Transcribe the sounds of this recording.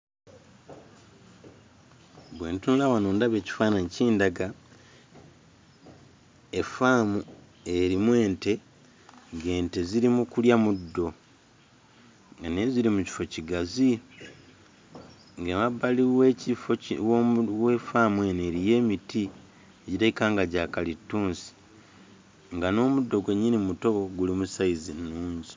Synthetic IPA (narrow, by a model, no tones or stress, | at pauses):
βwe̞ːntunulawanoːndaβe̞ːci̥faːnanciːndaɡa | efaːmu | e̞ɾimwe̞ːnte̞ | ŋɡe̞ːnte̞ziɾimukuljamudːo̞ | ɡane̞ziɾimuci̥fo̞ciɡazi | ŋɡemabːaliwecifowwe̞famwe̞neːɾije̞ːmiti | eɟitaikaːŋɡaɟakalitːuːnsi̥ | ŋɡano̞ːmudːo̞ɡwe̞ɲːinimuto̞oɡulimusaizinːuːɲzi̥